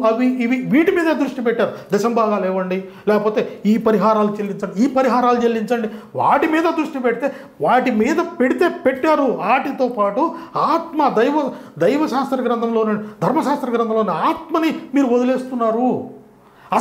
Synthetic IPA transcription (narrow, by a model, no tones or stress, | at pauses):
ɐʋiʋiʋiːʈimiːd̪ɐd̪ɾuʂʈipeʈːaːɾud̪ɛʃɐmbʱaːɡaːlɛːʋɐɳɖi | lɛːkɐpo̞ːt̪eːiːpɐɾiɦaːɾaːlut͡ʃelːiɲt͡ʃɐɳɖiiːpɐɾiɦaːɾaːlut͡ʃelːiɲt͡ʃɐɳɖiʋa̰ːʈimiːd̪ɐd̪ɾuʂʈipeɽit̪e̞ː | ʋaːʈimiːd̪ɐpeɽit̪e̞ːpeʈːaːɾuaːʈit̪o̞ːpaːʈuaːt̪mɐd̪ɐjʋɐ | d̪ɐjʋɐʃaːst̪ɾɐɡɾɐnd̪ʱɐmloːnɐd̪ʱɐɾmɐʃaːst̪ɾɐɡɾɐnd̪ɐmlo̞ːneaːt̪̚mɐnimiːɾuɔd̪ɐleːst̪unːaːɾu | ɐ